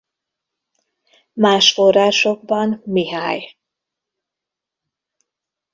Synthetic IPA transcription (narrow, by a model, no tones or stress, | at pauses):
maːʃfo̞raːʃo̞ɡbɒnmiɦaːj